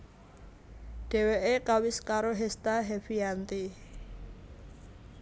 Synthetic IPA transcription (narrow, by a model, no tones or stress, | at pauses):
ɖ̥e̤weʔekawɪskaɾoɦɛst̪aɦɛfiant̪i